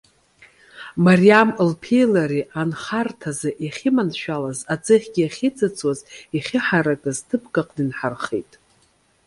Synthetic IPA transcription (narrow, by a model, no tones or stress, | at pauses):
marijamlpʰejlaɾiʔanχartʰazɨʔiχʲɪmanʃᶣalazat͡sʼɨχʲɡʲiaχʲit͡sʼɨt͡sʰʼwaziχʲɪħaɾakʼɨztʰɨpʰkʼaqʼdinħarχḛjtʼ